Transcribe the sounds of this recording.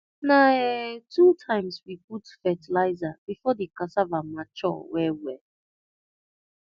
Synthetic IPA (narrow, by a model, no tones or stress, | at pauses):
naɛtʰutʰãɪ̃mswiputfɛtilaɪzabifɔdikasavamat͡ʃɔ̰wɛwɛ